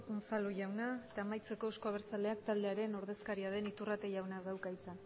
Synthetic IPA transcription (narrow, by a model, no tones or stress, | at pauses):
unsaluʝawnaet̪aːmajt͡se̞ko̞skoaβ̞eɾt͡sale̞akt̪ald̪e̞aɾe̞no̞ɾðe̞skaɾiað̞e̞nit̪urat̪e̞ʝawnaðawkajt͡sa